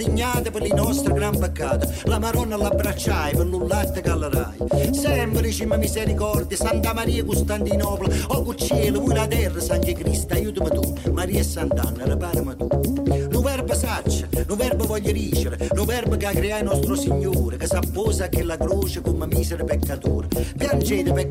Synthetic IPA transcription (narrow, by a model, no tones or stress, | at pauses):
iɲːaːt̪əpɪɾlinɔst̪ɾəɡɾampəkːaːt̪ə | lamaɾɔnːalabːɾat͡ʃːajpɪɾlulːat̪ːəkalːaɾa̰jəsɛmbɾit͡ʃiməmisɛɾikɔɾd̪jəsant̪amaɾiːəkust̪ant̪inɔːplaɔkut͡ʃːɛːləvuilat̪ɛrːəsaŋkəkɾist̪ajuːt̪əmət̪umaɾiːɛsːant̪a̰nːəɾəpaːɾəmət̪uluvɛɾbəsat͡ʃːəluvɛɾbəvɔʎːəɾiːt͡ʃɪɾɪluvɛɾbəkakːɾiajnɔst̪ɾʊsiɲːuːɾɪkəsapːɔːsakːɪlakɾoːt͡ʃɪkuməmiːsɛɾɪpɛkːat̪ṵːɾpjand͡ʒɛːt̪ɪpɛ